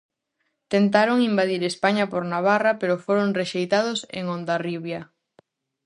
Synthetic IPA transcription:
t̪ent̪aɾoŋimbaðiɾespaɲɐpoɾnaβ̞arapeɾʊfoɾoŋreʃejt̪aðʊsḛŋond̪ariβja

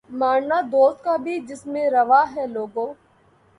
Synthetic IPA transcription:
maːɳnaːd̪oːst̪̚kabʱid͡ʒɪsmẽɾɐʋaːɦɛːloːɡõː

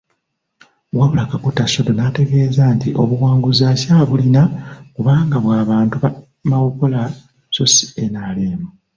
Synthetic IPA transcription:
βwaβulakakutaso̞do̞nate̞ɡe̞ːzantiʔo̞βuwaːŋɡuzacaβulinakuβaːŋɡaβwaːβaːntuβa | mawoko̞la | sosi̥enaːleːmo

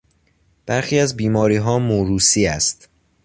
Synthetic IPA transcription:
b̥æɾxiːæzbiːmɒːɾiːɦɒːmoɾuːsiːæst̪

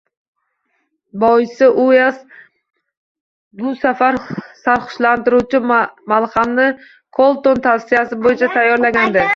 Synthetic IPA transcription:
bɒjɪsɪʔʊjas | ɡʊsafaɾsaɾχʊ̥ʃlant̪ɪɾut͡ʃʰɪmalˠχamnɪ | kʰolˠt̪ont̪ʰafsɪjasɪbojɪt͡ʃʰat̪ʰajːɒɾlaɡʲand̪ɪ

